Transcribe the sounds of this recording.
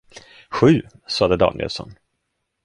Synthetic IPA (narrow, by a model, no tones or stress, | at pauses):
ɧʉ̟ː | sɑːd̪əd̪ɑ̰ːnɪɛ̰lsɔ̰n